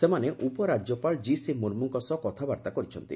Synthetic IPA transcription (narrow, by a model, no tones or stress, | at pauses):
semaneʔupɔɾad͡ʒjɔpaɭd͡ʒisimoɾmuŋkɔsɔkɔt̪ʰabaɾt̪akɔɾit͡ʃʰɔnt̪ḭ